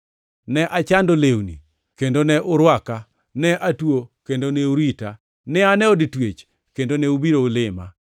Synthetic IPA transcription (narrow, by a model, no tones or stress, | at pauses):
nɛʔat͡ʃandolewnḭ | kendonɛʔʊɾwaka | nɛʔatwokendonɛuɾita | nɛanɛoditwet͡ʃ | kendonɛubiɾoulɪma̰